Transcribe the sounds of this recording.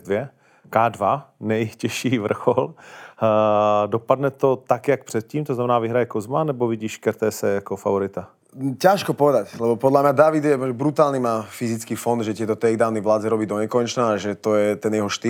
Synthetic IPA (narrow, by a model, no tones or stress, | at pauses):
dvjɛ | kaːdvanɛjcɛʃiːvr̩xol | dopadnɛt̪o̞t̪akjak̚pr̥ɛt̪̚ciːmt̪oznamɛnaːvɪɦɾajɛkozmanɛboviɟiːʃkɛɾt̪ɛːsɛjakofa̰voɾɪt̪a | caʃkɔpɔʋɛd̪aclɛbɔpɔd̪lamɲad̪avid̪jɛɛbɾut̪aːlnimaːfizit͡skiːfɔnd̪ʒɛt̪ɪɛt̪ɔt̪ɛɡd̪aːvnivlaːd͡zɛɾɔbiːd̪ɔɲɛkɔɲɛt͡ʃnaːaʒɛt̪ojɛt̪ɛnjɛɦɔʃt̪i